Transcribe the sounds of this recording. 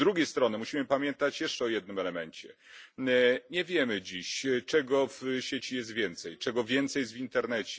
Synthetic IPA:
d̪ɾuɡʲejst̪ɾɔnɛmuɕimɘpamʲjɛnt̪at͡ɕjɛʂt͡ʂɛɔjɛd̪̚nɘmɛlɛmɛnt͡ɕɛ̰ | ɲɛvʲjɛmɘd͡ʑiɕt͡ʂɛɡɔvɕet͡ɕijɛst̪vʲjɛnt̪sɛjt͡ʂɛɡɔvʲjɛnt̪sɛjɛzvʲint̪ɛɾnɛt͡ɕɛ̥

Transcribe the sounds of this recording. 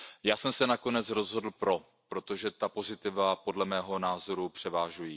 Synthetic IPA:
jaːsɛmsɛnako̞nɛt͡sɾo̞zɦo̞dl̩pɾo̞ | pɾo̞t̪o̞ʒɛt̪apo̞zɪt̪ɪvapo̞dlɛmɛːɦo̞naːzo̞ɾupr̝̥ɛvaːʒujiː

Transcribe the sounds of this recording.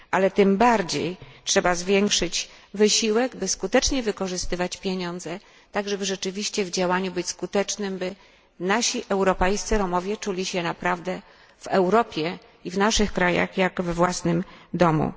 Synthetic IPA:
ʔalɛt̪ɘmbaɾd͡ʑḛjtʂɛbazvʲjeŋkʂɘt͡ɕvɘɕiwɛɡbɘskut̪ɛt͡ʂɲɛvɘkɔʐɘst̪ɘvat͡ɕpʲjeɲɔnd̪zɛ | t̪aɡʐɛbɘʐɛt͡ʂɘvʲiɕt͡ɕɛvd͡ʑawaɲubɘt͡ɕʲskut̪ɛt͡ʂnɘmbɘ | naɕiʔɛwɾɔpɛjst̪sɘɾɔmɔvʲjɛt͡ʂulʲiɕɛnapɾavd̪ɛ | v̥ɛwɾɔpʲjɛ | ivnaʂɘxkɾaja̰xjaɡvɛvwasnɘmd̪ɔmṵ

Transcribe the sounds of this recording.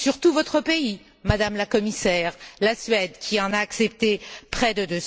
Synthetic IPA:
syʁt̪uvɔt̪χəpei | mad̪amlakɔmisɛːʁlasɥɛd̪kʲʰiɑ̃naːksɛp̚t̪epχɛd̪əd̪øs

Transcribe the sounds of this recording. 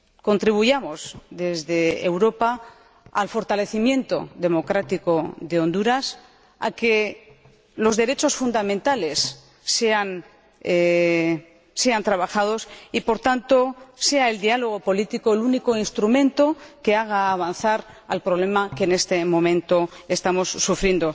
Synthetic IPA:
ko̞nt̪ɾiβuʝamo̞zðe̞zðe̞̰ːwɾo̞pa | a̰lfo̞ɾt̪ale̞θimjẽ̞nt̪o̞̰ðe̞mo̞kɾat̪iko̞ðe̞õ̞nd̪uɾas | a̰ke̞ | lo̞zðe̞ɾe̞t͡ʃo̞sfund̪amẽnt̪ale̞sː | ean | se̞ant̪ɾaβaxaðo̞sipo̞ɾt̪ant̪o̞se̞ae̞ld̪ialo̞ɣo̞po̞lit̪ikoeluniko̞inst̪ɾumẽ̞nt̪o̞ke̞aɣ̞aːβ̞anθaɾalpɾoβ̞le̞makeːne̞st̪e̞mõ̞mẽ̞nt̪o̞e̞st̪amo̞sːufɾjend̪o̞

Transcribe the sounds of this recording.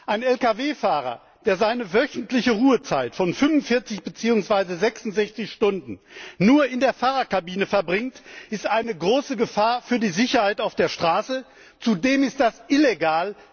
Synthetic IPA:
ʔaɪnɛlkaveːfaːʁ̞ɐ̰ | d̥eːɐzaɪnəvœçn̩tlɪçəʁuːət͡saɪtfɔnfʏnvʊnfɪɐt͡sɪçb̥ət͡siːʊŋsv̥aɪzəzɛksʊntz̥ɛçt͡sɪçʃtʊndn̩nuːɐɪndeːɐfaːʁɐtkabiːnəfɛɐbʁɪŋtɪstʔaɪnəɡʁoːsəɡəfaːɐfyːɐdiːzɪçɐhaɪtaʊfd̥eːɐʃtʁ̥aːsə | t͡sudeːmɪst̚d̥asʔɪleɡaːl

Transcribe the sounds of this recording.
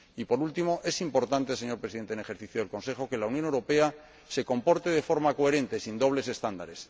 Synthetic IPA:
ipo̞ɾult̪imo̞ʔe̞simpo̞ɾt̪ant̪e̞se̞ɲoɾpɾesiðent̪enexeɾθiθjoðelko̞nse̞xo̞ke̞lauwnjone̞wɾo̞pe̞a | se̞ko̞mpo̞ɾt̪e̞ð̞e̞fo̞ɾmako̞e̞ɾẽ̞nt̪e̞sind̪o̞βle̞se̞st̪and̪a̰ɾe̞s

